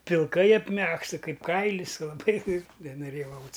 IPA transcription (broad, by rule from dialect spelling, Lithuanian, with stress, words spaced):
pʲɪlˠˈkɐɪ ɐpʲˈmʲæːkstɐ ˈkɐɪp ˈkɐɪlʲɪs lˠɐˈbɐɪ nʲɛnoːˈrʲeːjɛʊ ˈɐʊtʲsʲ